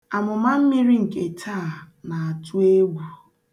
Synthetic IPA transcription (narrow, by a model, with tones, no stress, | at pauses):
a˨mʊ˨ma˦m̩˦mi˦ɾi˦ŋ̩˨ke˨tʰa˦˨ | na˨a˨tu˦e˦ɡʷu˨